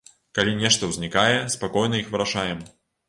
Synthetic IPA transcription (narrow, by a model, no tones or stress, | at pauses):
kalʲinʲɛʂt̪ɐwzʲnʲikajɛspakɔjn̪ɐixvɨɾaʂajɛm